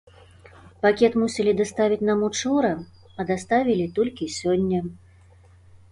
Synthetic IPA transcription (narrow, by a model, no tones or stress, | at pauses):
pakʲɛt̪musʲɛlʲid̪ast̪avʲit͡sʲnamut͡ʂuɾɐ | ɐd̪ast̪avʲilʲit̪ɔlʲkʲisʲɔnʲːɐ